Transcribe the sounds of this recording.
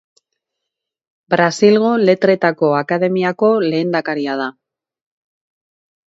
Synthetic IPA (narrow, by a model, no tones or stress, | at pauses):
bɾasilɣ̞o̞le̞t̪ɾe̞t̪ako̞akaðe̞miako̞le̞ːnd̪akaɾiað̞a